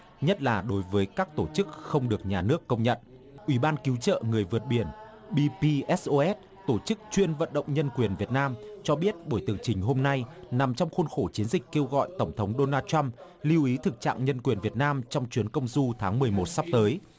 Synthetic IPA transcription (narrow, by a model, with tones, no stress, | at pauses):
ɲə˦˥t̚laː˨˩ɗo˨˦jvəː˨˦jkaː˦˥k̚t̪o˧˩t͡ɕɨ˦˥k̚xə˧wŋ͡mɗɨ˨˩ək̚ɲaː˨˩nɨ˦˥əkːə˧wŋ͡mɲə̰˧˨n | ʔwi˧˩ɓaː˧nki˨˦wt͡ɕə̰ː˧˨ŋɨ˨˩əjvɨ˨˩ət̚ɓi˧˩ən | ɓi˧pi˧ʔɛ˦˥sʔo˧ʔɛ˦˥t̚ | t̪o˧˩t͡ɕɨ˦˥k̚t͡ɕwi˧ənvə̰˧˨nɗə̰˧˨wŋ͡mɲə˧nkwi˨˩ənvi˨˩ət̚naː˧mt͡ɕɔ˧ɓi˦˥ət̚ɓo˧˩jt̪ɨ˨˩əŋt͡ɕï˨˩ŋ̟ɦo˧mna˧jna˨˩mt͡ɕɔ˧wŋ͡mxu˧nxo˧˩t͡ɕi˨˦ənzï˨˩k̟̚ke˧wɣɔ̰˧˨jt̪ə˧˩wŋ͡mt̪ʰə˨˦wŋ͡mɗo˧naː˧tt͡ɕa˧m | li˧wʔi˨˦t̪ʰɨ˨˩k̚t͡ɕa̰ː˧˨ŋɲə˧nkwi˨˩ənvi˨˩ət̚naː˧mt͡ɕɔ˧wŋ͡mt͡ɕwi˨˦ənkə˧wŋ͡mzu˧t̪ʰaː˨˦ŋmɨ˨˩əjmo˨˩t̚sa˦˥p̚t̪əː˨˦j